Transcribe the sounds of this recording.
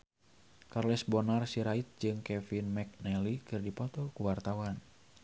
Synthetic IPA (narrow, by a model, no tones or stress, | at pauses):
karlɛsbɔnarsiɾait̪̚d͡ʒɨŋkɛfinmɛk̚nɛlikɨrdipɔt̪ɔlkuwart̪awan